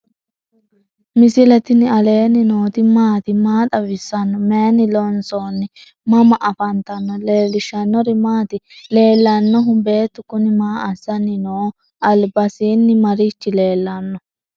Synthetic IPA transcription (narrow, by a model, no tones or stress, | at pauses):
mɪsɪlɛt̪ɪnɪɐle̞ːnɪnoːt̪ɪmaːt̪ɪmaːt̪ʼɐbɪsːɐnːɔmeːnɪlɔnsoːnːɪ | mɐmɐʔɐfɐnt̪ɐnːɔleːlːɪʃɐnːɔɾɪmaːt̪ɪle̞ːlːɐnːɔɦʊbe̞ːt̪ːʊkʊnɪmaːʔɐsɐnɪnoː | ʔɐlbɐsiːnːɪmɐɾɪt͡ʃːɪle̞ːlːɐnːɔ